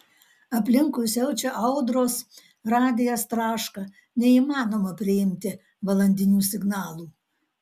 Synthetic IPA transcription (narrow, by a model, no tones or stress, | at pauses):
ɐpʲlʲɪŋkʊjsʲɛʊt͡ʃʲɛʔɐʊd̪ɾoːs | ɾɑːd̪ʲɪjost̪ɾɑːʃkɑ | nʲɛiːmɑːnoːmɐpʲɾʲɪɪmʲt̪ʲɪ | ʋɐlˠɐnʲd̪ʲɪnʲuːsʲɪɡnɑːlˠuː